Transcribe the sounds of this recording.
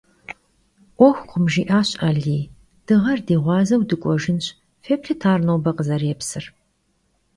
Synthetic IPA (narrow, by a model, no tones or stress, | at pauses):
ʔʷɔxʷqʷʊmʒiːʔaːɕʼɐɮiː | d̥ɨʁɐrdiːʁʷɑːzɐwdɨkʷʼɔʒɪnɕ | feːpɬɨtʰaːrnowbɐqəzɐrɛpsɨr